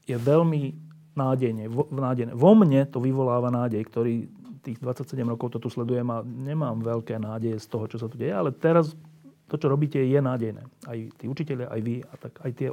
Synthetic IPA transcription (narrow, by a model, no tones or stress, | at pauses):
jɛʋɛʎmi | naːɟɛjɲɛʋɔnaːɟɛjnɛ̰ːʋɔmɲɛt̪ɔʋiʋɔlaːʋanaːɟɛjkt̪ɔɾiːt̪iːɣd̪ʋat͡sːacsɛɟɛmɾɔkɔʊt̪ɔt̪uslɛd̪ujɛmaɲɛmaːmʋɛʎkɛːnaːɟɛjɛst̪ɔɦɔt͡ʃɔsat̪uɟɛjɛalɛt̪ɛɾast̪ɔt͡ʃɔɾɔbiːcɛjɛnaːɟɛjnɛ̰ːajt̪iːut͡ʃicɛʎjaʔajʋiat̪akajt̪ɪɛ